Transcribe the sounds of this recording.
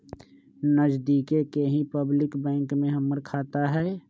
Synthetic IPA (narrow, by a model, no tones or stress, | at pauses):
nəd͡ʒd̪iːkekeɦĩpəblɪkbɛ̃ːŋkmẽɦəməɾkʰaːt̪aɦɛː